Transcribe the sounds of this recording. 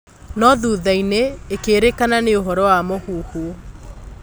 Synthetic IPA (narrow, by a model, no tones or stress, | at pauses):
nɔðuːðaineekeːɾekananeoɦɔɾɔwamohuːhu